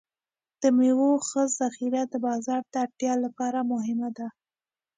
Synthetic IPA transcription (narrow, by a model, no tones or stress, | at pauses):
d̪̥əmewoxəzːaxiɾad̪əbɑzɑɾd̪əaʈjɑlapɑɾamʊɦɪmad̪a